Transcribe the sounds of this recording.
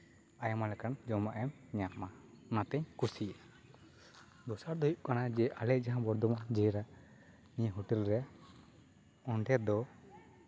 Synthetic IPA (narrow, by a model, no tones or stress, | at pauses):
ajamalɛkand͡ʒɔmaʔɛm | ɲama | nat̪ɛɲkusia | d̪ɔsaɾd̪ɔjuʔkanad͡ʒɛʔalɛd͡ʒaɦãbɔɾd̪ɔmad͡ʒɛɾa | niaɦuʈilɾɛja | ɔɳɖɛd̪ɔ